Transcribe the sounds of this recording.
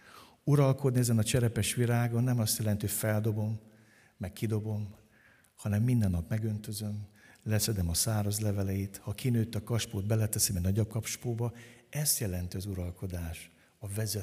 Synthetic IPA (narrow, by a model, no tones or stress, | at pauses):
uɾɒlko̞d̪niɛzɛnɒt͡ʃɛɾɛpɛʃʋiɾaːɡonːɛmɒst̪jɛlɛnt̪ihojfɛld̪o̞bo̞mː | ɛkkʰːid̪o̞bo̞m | hɒnɛmːind̪ɛnːɒpmɛɡø̞nt̪øzø̞mlɛsɛd̪ɛmɒsaːɾɒzlɛvɛlɛjit̪hɒkinøːt̪ːɒkɒʃpoːd̪bɛlɛt̪ɛsɛmɛnɒɟop̚kɒpʃpoːbɒɛst̪jɛlɛnt̪iɒzuɾɒlko̞d̪aːʃ | ɒvɛzɛ